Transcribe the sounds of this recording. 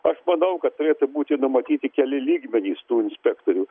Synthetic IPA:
ɐʃmɐnɐʊkɐt̪̚t̪ʊɾʲeːt̪ʊbuːt̪ʲɪnʊmɐt̪ʲiːt̪ʲɪkʲɛlʲɪlʲiːɡmʲɛnʲiːst̪uːɪnʲsʲpʲæːkt̪oːɾʲuː

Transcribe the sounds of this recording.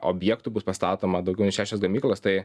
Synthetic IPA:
ʔo̰bʲjɛːkt̪ubʊspɐst̪ɑːt̪oːmɐd̪ɐʊɡʲɛʊnʲɪʃʲæːʃʲosɡɐmʲiːklˠoːst̪ɐɪ

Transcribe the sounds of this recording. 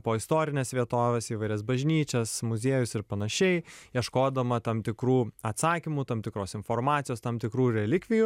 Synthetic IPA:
poːɪst̪oːɾʲɪnʲeːsʋʲiɛt̪oːʋʲeːsiːʋɐɪɾʲɛs̬bɐʒʲnʲiːt͡ʃʲɛsmʊzʲeɛjʊsɪɾpɐnɐʃʲɛɪjiɛʃkoːd̪ɐmɐt̪ɐmt̪ʲɪkɾuːɐt̪sɑːkʲimut̪ɐːmt̪ʲɪkɾoːsɪnfoːrmɑːt̪sʲɪjoːst̪ɐmt̪ʲɪkɾuːɾʲɛlʲɪkʲʋʲɪju

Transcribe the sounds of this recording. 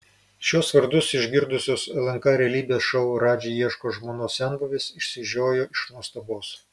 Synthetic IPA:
ʃʲuɔsʋɐɾd̪ʊsɪʒʲɡʲɪɾd̪ʊsʲoːsɛlʲˠɐŋkɐɾʲɛːlʲiːbʲeːsʃɐʊɾɑːd͡ʒʲeiɛʃkoːʒmoːnoːsʲæˑnbɐʋʲeːsɪʃʲsʲɪʒʲoːjoːɪʃnuɔst̪ɐboːs

